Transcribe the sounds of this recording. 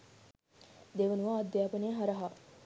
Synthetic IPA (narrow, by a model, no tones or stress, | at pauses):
d̪eʋənuʋaːd̪jaːpəneɦaɾɐɦa